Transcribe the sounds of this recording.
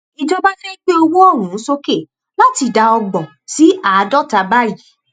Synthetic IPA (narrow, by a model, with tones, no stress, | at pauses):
i˧d͡ʒɔ˧ba˦d͡ʒe˦k͡pe˦o˧wo˦ɔ˦˨ɾũ˨n̩˦so˦ke˦˨ | la˦ti˧da˧ɔ˧ɡ͡bɔ̃˨ | si˨˦a˨˦dɔ˦ta˧ba˦˨ji˨˦